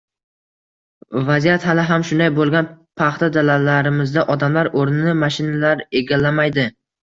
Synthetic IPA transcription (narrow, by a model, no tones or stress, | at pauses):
vazijat̪halaɦamʃʊnd̪ajbolˠɡʲan | pʰɑχt̪ʰad̪alalːaɾɪmɪzd̪aʔɒd̪amlaɾoɾnɪnɪmaʃɪnalaɾe̞ɡʲalːamajd̪ɪ